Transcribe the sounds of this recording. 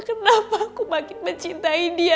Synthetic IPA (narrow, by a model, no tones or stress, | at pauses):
kənapakumakɪt̪məɲt͡ʃint̪aidia